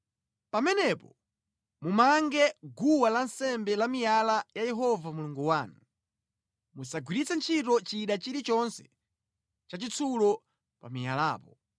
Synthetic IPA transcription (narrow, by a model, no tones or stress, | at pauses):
pamɛnɛpɔ | mumaŋɡɛɡuwalansɛmbɛlamijalajajɛɦɔvamuluŋɡuwaːnu | musaɡwiɾit͡sɛnt͡ʃʰitɔt͡ʃiɗat͡ʃiɾit͡ʃɔnsɛ̥ | t͡ʃat͡ʃit͡sʰulɔ | pamija̰laːpɔ